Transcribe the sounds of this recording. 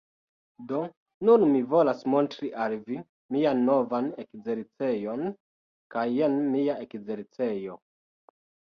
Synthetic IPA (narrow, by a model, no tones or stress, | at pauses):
do̞ | nunmivo̞lasmo̞ntɾiʔalvi | mianːo̞vanekze̞ɾt͡se̞jo̞n | kajenmiae̞kze̞ɾt͡se̞jo̞